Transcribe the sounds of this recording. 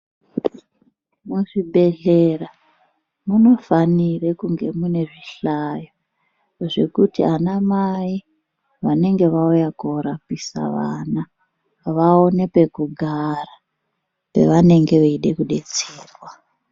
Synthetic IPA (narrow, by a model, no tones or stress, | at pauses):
muʐiɓe̞ɮera | muno̞fanirekuŋɡe̞mune̞ʐiɬajo | ʐe̞kutianamai | ʋane̞ŋɡe̞ʋaujakoɾapisa̰ʋaːna | ʋaonepe̞kuɡʱara | pe̞̰ʋane̞ŋɡe̞ʋeiɗekuɗe̞t͡seːrwa